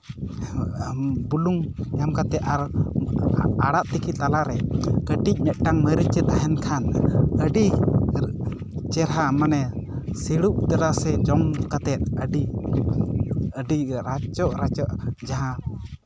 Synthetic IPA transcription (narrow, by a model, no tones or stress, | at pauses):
buluŋjamkat̪ɛt̪aɾ | aɽaʔt̪ikʰit̪alaɾɛkəʈic̚ˀmɛʔ̪̚ˀʈaŋməɾit͡ʃɛt̪aɦɛnkʰanəɖi | t͡ʃɛɾɦamanɛsiɽup̚t̪aɾasɛd͡ʒɔŋkat̪ɛt̪̚əɖi | əɖiɾat͡ʃɔʔɾat͡ʃɔʔd͡ʒaɦã